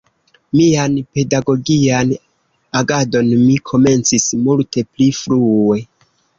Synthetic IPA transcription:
mianpe̞daɡo̞ɡian | aɡado̞nmikʰo̞me̞nt͡sismulte̞plifɾue̞

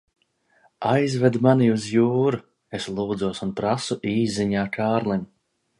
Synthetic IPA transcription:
ajzvɛd̪maniuzjuːɾu | eslˠuːd̪zuɔsunpɾasuʔiːzːiɲaːkʰaːɾlˠin

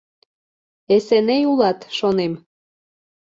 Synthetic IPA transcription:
esenejulɑt̪ʃonem

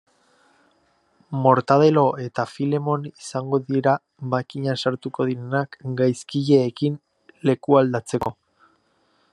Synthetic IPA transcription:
mo̞ɾt̪að̞e̞lo̞ʔe̞t̪afile̞mo̞nisaŋɡo̞ðieɾa | βakiɲasaɾt̪uko̞ðiɾe̞nakɡajskiʎe̞ːkin | le̞kuald̪at͡se̞ko̞

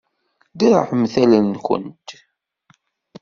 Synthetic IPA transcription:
d̪iɾ̰ħəmθælənçə̰nt̪

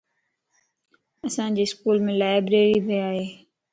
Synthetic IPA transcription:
əsãːd͡ʑeːskuːlmẽːlaːɪbɾeːɾiːbeaːɦeː

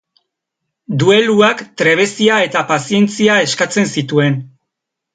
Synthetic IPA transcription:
d̪ue̞luakt̪ɾe̞β̞e̞siae̞t̪apasie̞nt͡siae̞skat͡se̞nsit̪ue̞n

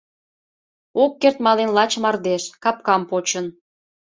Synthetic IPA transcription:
okːert̪mɑlenlɑt͡ɕəmɑrd̪eʃkɑp̚kɑmpot͡ɕən

